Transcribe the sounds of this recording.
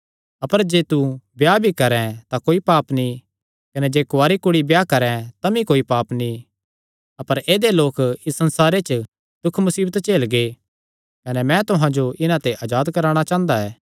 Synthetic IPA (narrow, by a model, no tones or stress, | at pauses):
ɐpəɾd͡ʒeːt̪ubjaːbʱikɐɾɛ̃t̪akoːipaːpni | kɐnɛd͡ʒeːkʊaːɾikʊɽibjaːkɐɾɛ̃t̪ɐmĩkoːipaːpni | ɐpəɾeːd̪eloːkɪsːɐ̃nsaːɾet͡ʃ | t̪ʊkʰmʊsiːbət̪t͡ʃeːlɡe | kɐnɛmɛ̃t̪ʊɦãd͡ʒoɪnãt̪eʔaːd͡ʒaːd̪kɐɾaːɽ̃at͡ʃãːnd̪aɛː